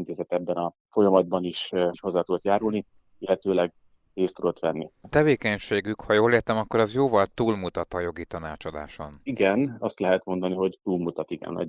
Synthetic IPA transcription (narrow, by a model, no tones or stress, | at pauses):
nt̪eːzɛt̪ɛbːɛnɒ | fo̞jɒmɒd̪̚bɒniʃʃho̞zːaːt̪ud̪ɔt̪jaːɾulni | ilːɛt̪øːlɛɡ | eːst̪ud̪o̞t̪ʋɛnːḭt̪ɛveːkɛɲʃeːɡykhɒjoːleːrt̪ɛmɒkːo̞ɾɒzjoːvɒlt̪uːlmut̪ɒt̪ɒjo̞ɡit̪ɒnaːt͡ʃɒd̪a̰ːʃo̞niɡɛnɒst̪lɛɦɛt̪mo̞nd̪ɒniɦo̞ɟt̪uːlmut̪ɒt̪iɡɛ̰nɒ̰